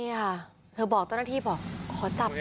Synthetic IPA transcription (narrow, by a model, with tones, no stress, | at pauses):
i˧˨kʰa˥˩ | t̪ʰɤː˧bɔː˨˩k̚t̪aː˥˩˨naː˥˩iː˥˩bɔː˨˩kʰːɔː˨˩˦t͡ɕa˨˩p̚